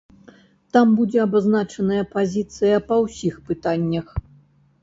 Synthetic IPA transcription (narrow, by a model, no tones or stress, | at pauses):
t̪ambud͡zʲɛɐbaznat͡ʂɐnɐjɐpazʲit̪sɨjɐpɐwsʲixpɨt̪anʲːɐx